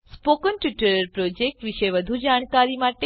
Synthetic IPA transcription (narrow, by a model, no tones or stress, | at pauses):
spokənʈjɪʈəɾəɾpɾod͡ʒek̚ʈʋiʃeʋəd̪ʱud͡ʒaːɳ̃kaɾimaʈe